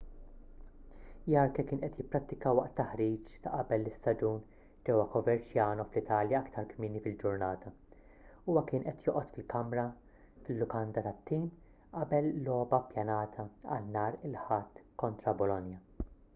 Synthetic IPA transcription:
jɐːɾkɛkɪːnʔɛt̪jɪpːɾɐt̪ːɪkɐwɐʔt̪ːɐħɾiːt͡ʃt̪ɐʔɐbɛlːɪsːɐd͡ʒuːn | d͡ʒɛwɐkɔvɛɾt͡ʃjɐːnɔflɪt̪ɐːljɐɐkt̪ʰɐɾkmɪːnifɪld͡ʒʊɾnɐːt̪ʰɐ | uːwɐkɪːnʔɛt̪jɔːʔɔt̪fɪlkɐmɾɐ | fɪlːʊkɐnd̪ɐt̪ɐt̪ːiːm | ʔɐbɛlːɔːbɐpjɐnɐːt̪ʰɐɐ̰lnɐːɾɪlħɐt̪ːkɔnt̪ɾɐbɔlɔnjɐ

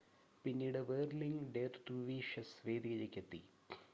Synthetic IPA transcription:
pinːiːɽɨʋeːɾliŋɖeːɾt̪uʋiːʂɐsʋeːd̪iɣɐd͡ʑɐkʲːet̪ːḭ

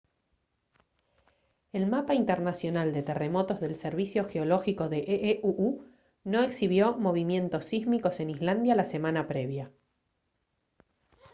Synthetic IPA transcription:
elmapaint̪eɾnasjo̞nald̪e̞t̪e̞remo̞t̪o̞zðe̞lseɾβisjo̞xeolo̞xiko̞ðeʔʔeʔuʔu | no̞eksiβ̞jo̞mo̞β̞imje̞nt̪o̞sːizmiko̞se̞nizland̪jalase̞manapɾe̞βja

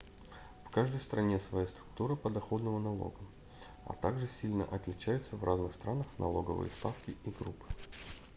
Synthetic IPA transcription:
fkaʐd̪əjst̪ɾʔɐnʲesvɐjast̪ɾʊk̚t̪uɾəpəd̪ɐxo̞d̪nəvənɐlˠo̞̰ɡə | ɐ̰t̪aɡʐɨsʲilʲnə̰ʔɐt̪lʲɪt͡ɕæjʊt̪səvrʔaznɨxst̪ɾanəxnɐ̰lˠo̞ɡə̰vɨ̰jə̰st̪afkʲɪʔiɡɾupːɨ̥

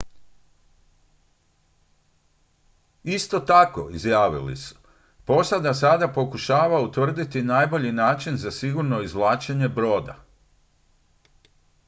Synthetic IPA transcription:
ist̪o̞t̪ako̞̰izjaːʋḭlḭsu̥ | po̞sad̪asad̪apo̞kuʃaːʋaut̪ʋr̩d̪it̪inaːjbo̞ʎinaːt͡ʃinzasiɡuɾno̞izʋlˠaːt͡ʃeɲe̞bɾo̞ːd̪a̰

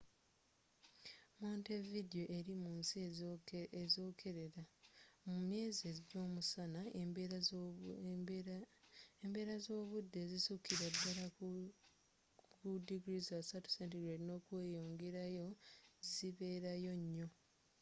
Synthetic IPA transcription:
moːntevidio̞ʔe̞ɾimuːnsi | ezo̞ːkʰe̞ɾe̞ɾamumje̞ːziezɟo̞ːmusanae | embe̞ːɾazo̞ːβudːe̞zisukʰiɾadːaɾa | ɡudiɡɾizasatu̥sentiɡɾedino̞kwe̞ːjo̞ːŋɡe̞ɾajo̞ziβe̞ːɾajo̞ɲːo̞

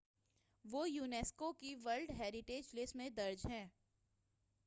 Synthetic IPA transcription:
ʋoːjuːneːskokiʋəɾlɖɦɛːɾɪʈeːd͡ʒlɪsmẽd̪ɐɾd͡ʒɦɛ̃ː

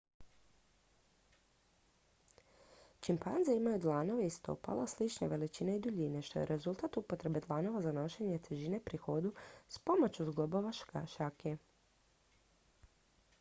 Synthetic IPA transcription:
t͡ʃimpanzeimajud̪lˠano̞ʋeist̪o̰pa̰laslit͡ʃnḛʋe̞lit͡ʃiːneid̪uʎine̞ʃt̪o̞̰je̞̰ɾe̞zulˠt̪at̪upot̪ɾe̞be̞d̪lˠano̞ʋazano̞ʃe̞ɲe̞t̪eʒinepɾixo̞d̪uspo̞mot͡ɕuzɡlˠobo̞ʋaʃake

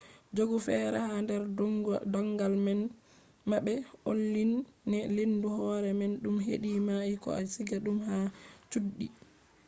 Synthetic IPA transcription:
d͡ʒoɡufɛːɾɛhandɛɾdɔŋɡalmɛn | maɓɛo̰lːinːɛlinduhɔːɾɛmɛnɗumɦeɗimajikɔ̰a̰siɡaɗumhat͡ʃuɗːi

